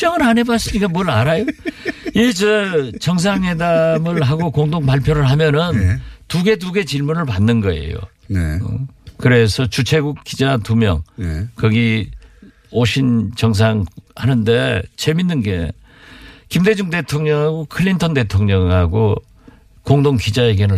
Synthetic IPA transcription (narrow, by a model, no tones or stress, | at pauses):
ʌŋɯɾane̞bas͈ɯɲik͈amwʌɭaɾajoit͡ɕʌt͡ɕʌŋs̬ʰaŋhe̞damɯɭɦaɡokoŋdoŋpaɭpʰjoɾɯɭɦamjʌnɯntuɡe̞t̬uɡe̞t͡ɕiɭmunɯɭpanːɯnɡʌe̞̰jo̰ | kɯɾe̞sʰʌt͡ɕut͡ɕʰe̞ɡukk͈ːid͡ʑatumjʌ̰ŋkʌɡi | oɕʰint͡ɕʌŋs̬ʰaŋhanɯnde̞t͡ɕʰeminːɯnɡe̞̰ | kimde̞d͡ʑuŋde̞tʰoŋɲʌŋɦaɡokʰɯɭːintʰʌnde̞tʰoŋɲʌŋhaɡo | koŋdoŋkid͡ʑaeɡenɯ